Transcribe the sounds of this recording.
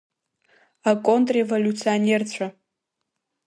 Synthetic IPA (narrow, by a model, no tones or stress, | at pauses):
akʼontʼrevolʲut͡sʰione̞rt͡ɕʷʰa